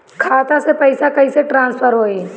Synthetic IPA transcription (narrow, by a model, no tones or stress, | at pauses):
kʰaːt̪asepɐɪsakɐɦiseʈɾãːnspʰəɾɦoːi